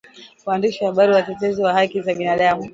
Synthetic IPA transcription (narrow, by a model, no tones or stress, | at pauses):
waːndiʃiwahaɓaɾiwatɛtɛziwahakizaɓinaɗamu